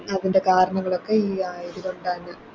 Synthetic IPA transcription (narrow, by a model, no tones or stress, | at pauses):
ɐðinde̞kaːɾɐɳɐŋːɐɭo̞kːe̞iːaːjɾiluɳɖaːnːɨ